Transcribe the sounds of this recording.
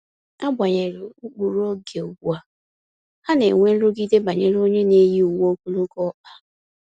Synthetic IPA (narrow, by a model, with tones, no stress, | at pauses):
a˦bʷa˨ɲe˨ɾɪ˨u˦k͡pu˨ɾo˦ɡe˨u˨ɡu˦a˨ | ha˦ne˨ŋʷe˦n̩˦ɾʊ˦ɡi˦de˦ba˨ɲe˨ɾo˦ɲe˦ne˦ji˦u˨wo˦ku˦lo˦kɔ˦k͡pa˦